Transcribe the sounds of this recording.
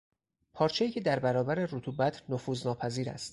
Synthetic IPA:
pʰɒːɾt͡ʃʰejiːcʰed̪æɾbæɾɒːbæɾe̞ɾot̪ʰuːbæt̪ʰnofuːznɒːpʰæziːɾæ̰st̪

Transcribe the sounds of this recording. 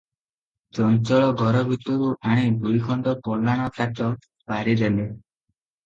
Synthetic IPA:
d͡ʒɔnt͡ʃɔɭɔɡʱɔɾɔbʱit̪ɔɾuʔaɽ̃ib̪ʱujkʰɔɳɖɔpɔlːaɽ̃ɔkʰatɔ | paɾid̪ele

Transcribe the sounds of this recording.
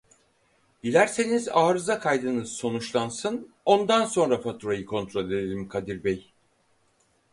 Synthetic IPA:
ɟilʲæɾse̞nizaːɾɯzakʰajd̪ɯnɯzso̞nut͡ʃlˠansɯn | o̞nd̪anso̞nɾafat̪ʰuɾajɯkʰo̞nt̪ʰɾo̞lʲe̞d̪elʲimkʰad̪iɾbɛj

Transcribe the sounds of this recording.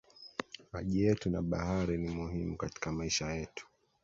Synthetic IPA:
aʄijɛtuna̰ɓahaɾinimuhimukati̥kamaiʃajɛtu̥

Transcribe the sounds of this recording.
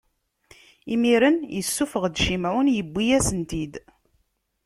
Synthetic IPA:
imiɾənjəsːufəʁd̪ʃimæwənjəbːijæsənt̪id̪

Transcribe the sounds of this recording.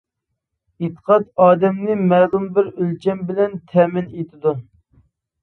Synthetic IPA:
et̪ə̥qʰɑt̪ɑːd̪ɛmnɪmɛːlˠumbɪɾølt͡ʃʰɛmbɪlɛnt̪ʰɛmɪnet̪ʰɪd̪u

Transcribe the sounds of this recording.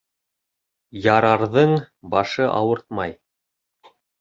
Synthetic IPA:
jɑɾɑɾðɤɴ | bɑʃɤʔɑ̰wɤɾt̪̚mɑj

